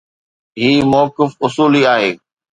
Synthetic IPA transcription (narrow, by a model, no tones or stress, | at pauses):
ɦiːmɔːkɪfʊsuːliaːɦeː